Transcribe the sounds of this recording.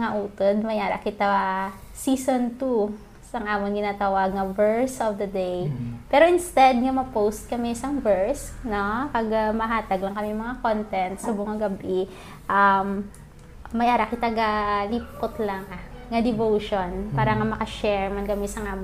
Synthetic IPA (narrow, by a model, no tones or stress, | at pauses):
ŋɐʔuːt̪od̪̚mɐjaːɾɐ̰kɪt̪a | siːsont̪u | sɐŋʔaːmonɡɪnaːt̪ɐwaɡ̚ŋɐvɛɹsɔfd̪ɐd̪ɛjpɛːɾoʔɪnst̪ɛd̪̚ŋɐmɐpowst̪̚kɐmɛʔɪsɐŋvɛɹsnokɐɡamɐɦaːt̪ɐɡlɐŋkɐmɛjŋmɐŋakont̪ɛnt̪sɐboŋɐɡɐbi | ʔɐmː | ɐjʔaːɾɐkɪt̪aɡalipot̪lɐŋaŋɐd̪ɛvowʃonpaːɾɐŋamɐkɐʃɛɹmɐnɡɐmɛsɐŋʔaːmo